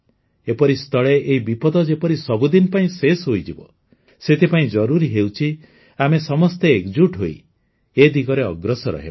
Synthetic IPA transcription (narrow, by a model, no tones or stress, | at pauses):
epɔɾist̪ʰɔɭeʔːɦibipɔd̪ɔd͡ʒepɔɾisɔbud̪inpaĩsesɦojd͡ʒibɔ | set̪ʰipaĩd͡ʒɔɾuɾiɦewt͡ʃʰi | amesɔmɔst̪eːkd͡ʒuʈɦoi | ed̪iɡɔɾeɔ̰ɡɾɔsɔɾɔ̰ɦḛbɔ